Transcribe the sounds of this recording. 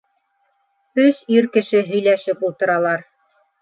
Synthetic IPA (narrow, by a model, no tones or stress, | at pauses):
ɵsiɾkɘ̆ʃɘɦɵ̆jlæʃɘpulˠt̪ɤ̆ɾɑlˠɑɾ